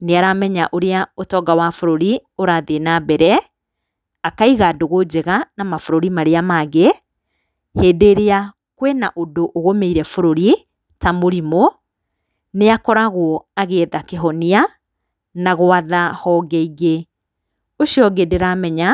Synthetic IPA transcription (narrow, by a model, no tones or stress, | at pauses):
neaɾamɛɲaʔoɾeaotɔːɡawafoɾoɾioɾaðenabɛɾɛ | akaiɣadoɣod͡ʑeɣanamafoɾoɾimaɾeamaɣe | heːdeɾea | kwenaʔodoʔoɣomeiɾɛfoɾoɾi | tamoɾimo | neakɔɾaɣɔaɣeːðakeɦɔnia | naɣoaðahɔːɡɛiɣe | oʃiɔɡeːdeɾamɛɲa